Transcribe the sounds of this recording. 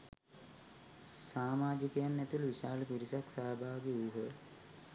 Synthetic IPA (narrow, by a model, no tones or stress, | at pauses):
saːmaːd͡ʒikəjanːɛt̪ulʋiʃaːləpiɾisaksaːbʱaːʋɡeujɦə